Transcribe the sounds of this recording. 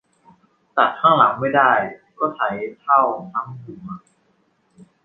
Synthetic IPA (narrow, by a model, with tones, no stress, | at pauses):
t͡ɕa˨˩t̪̚kʰaː˥˩la˩˦ŋma˥˩jdaː˥˩jkɔː˥˩t͡ɕʰa˩˦jt̪ʰa˥˩wna˦˥˩mduː˨˩˦ma˨˩